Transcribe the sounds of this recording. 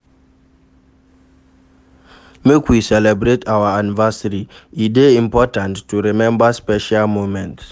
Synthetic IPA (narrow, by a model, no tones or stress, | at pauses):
mekwisɛlɛbɾetʰawəanivasəɾiideĩmpɔtãntːuɹimɛ̃mbaspɛʃalmomɛ̃nts